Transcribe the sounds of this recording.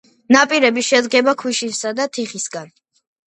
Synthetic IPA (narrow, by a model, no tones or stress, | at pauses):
napʼiɾɛbiʃɛd̪ɡɛbakʰwiʃisad̪at̪ʰiχisɡan